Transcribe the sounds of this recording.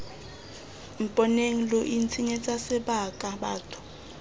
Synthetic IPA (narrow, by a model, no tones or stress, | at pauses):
m̩pʼɔneŋ̩loʔint͡sʰiɲɛt͡sʼasɛɓakʼaɓa̰ːtʰʼʊ̥